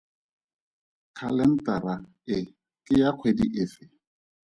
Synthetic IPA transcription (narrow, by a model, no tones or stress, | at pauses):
kʰalɛn̩taɾa | ɪ | kʼɪjaq͡χʰwediʔɪfɪ